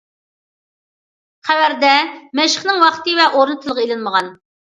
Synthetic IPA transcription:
χʰæwæɾd̪ɛmɛʃəχnɪŋwɑχt̪ɨvɛʔoɾnɨt̪ʰɨlˠəʁɑelɪnməʁɑn

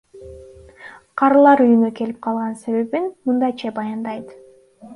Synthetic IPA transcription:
qʰɑɾɯlˠɑɾyjynøke̞lip̚qʰɑlˠʁɑnse̞βe̞βinmɯnd̪ɑjt͡ʃɑbɑjɑnd̪ɑjt̪

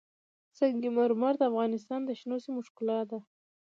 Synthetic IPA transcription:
saɡimaɾmɑɾd̪əafɣɑnɪst̪ɑnd̪əʃnosimʊʃkɪlɑt̪̚d̪a

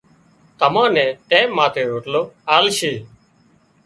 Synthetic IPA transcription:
t̪əmãːnɛ̃ːʈeːmːãːt̪ʰeːɦoːʈloːaːlʃeː

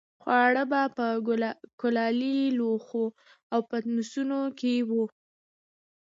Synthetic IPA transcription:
xwɑɽəbapəkʊlɑliloxo | awpət̪nusunokewu

